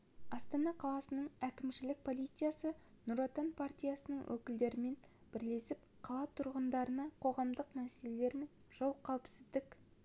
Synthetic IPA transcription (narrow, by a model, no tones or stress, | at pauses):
ɑst̪ɑnɑqʰɑlˠɑsənəɴækʲɪmʃɪlɪk̚pʰo̞lˠijt̪sɨjasə | nʊɾot̪anpʰart̪ʲijasənəɴwʔɵ̰kʲɪld̪e̞ɾɪme̞n | b̥ɪɾle̞sɪp | qʰɑlˠɑt̪ʰʊɾʁənd̪ɑɾənɑqʰo̞ʁɑmd̪əqmæsele̞le̞ɾme̞nʒ̥olˠqʰɑwɪpsɪzd̪ɪk